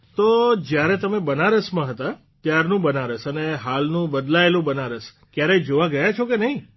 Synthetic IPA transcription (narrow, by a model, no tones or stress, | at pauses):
t̪od͡ʒjaɾɛt̪əmebənaɾəsmãɦət̪a | t̪jaɾnũbənaɾəsəneɦalnũbəd̪laelũbənaɾəs | kjaɾed͡ʒoʋaɡəjat͡ʃʰokenəɦĩ